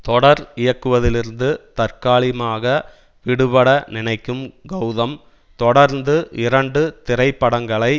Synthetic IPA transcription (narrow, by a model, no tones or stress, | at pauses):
t̪ɔɽɐɾɪjɐkːɯʋɐðɪlɪɾɯnd̪ɯt̪ɐɾkaːɭɪmaːɣɐ | ʋɪɽɯpɐɽɐnɪnɐɪkːɯmɡɐwðɐm | t̪ɔɽɐɾnd̪ɯʔɪɾɐɳɖɯt̪ɪɾɐɪpːɐɽɐŋɡɐɭɐɪ